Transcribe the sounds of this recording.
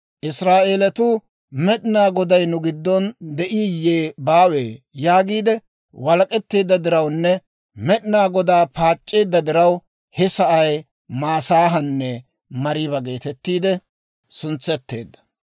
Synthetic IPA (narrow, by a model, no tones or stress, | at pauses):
ʔɪsɾaːʔeːlɐt̪ʊ | mɛɗɪnaːɡɔd̪ɐjnʊɡɪd̪ːɔnd̪ɛʔiːjeːbaːweːjaːɡiːd̪ɛ | wɐlɐkʼɛt̪ːe̞ːd̪ːɐd̪ɪɾɐwnːɛ | mɛɗɪnaːɡɔd̪aːpaːt͡ʃʼːe̞ːd̪ːɐd̪ɪɾɐw | hɛsɐʔɐj | maːsaːɦɐnːɛ | mɐɾɪbɐɡe̞ːt̪ɛt̪ːiːd̪ɛ | sʊnt͡sːɛt̪ːe̞̰ːd̪ːɐ̥